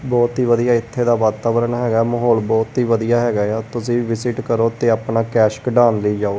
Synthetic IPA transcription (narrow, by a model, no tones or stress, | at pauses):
bɔːt̪ɦiːʋəd̪ijaːɪt̪ʰːeːd̪aːʋaːt̪aːʋəɾəɳɦɛːɡaːɛməɦɔːlbɔːt̪ɦiːʋəd̪ijaːɦɛːɡaːjat̪ʊsĩːʋɪsɪʈkəɾoːt̪eːaːpnaːkɛːʃkɖaːnləiːd͡ʒaːoː